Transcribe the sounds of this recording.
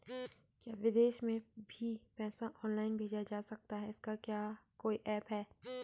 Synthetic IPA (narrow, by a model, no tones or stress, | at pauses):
kjaːʋɪd̪eːʃmẽbʱipɛːsãʔɔːnlaːɪnbʱeːd͡ʒad͡ʒaːsɐk̚t̪aɦɛɪskakjaːkoːiʔɛːpɦɛː